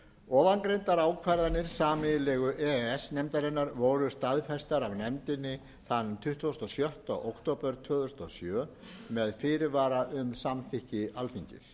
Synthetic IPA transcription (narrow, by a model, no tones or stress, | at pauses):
ɔːvankɾejnt̪aɾaːwkʰvajɾðanːɪɾ̥saːmɪlɛːɣʏʔɛɛsnɛmt̪aɾɛnːaɾvoːwɾʏst̪aðfɛst̪aɾavnɛmt̪ɪnːɪ | θant̪ʰʏht̪vost̪ɔsjœht̪a̰ɣo̰wkʰt̪owpɛɾ̥t̪ʰvœːɣðʏst̪ɔsjœː | mɛðfɪːɾɪvaːɾaʔʏmsamθɪhcɪalθiɲcɪ̰ɾ̥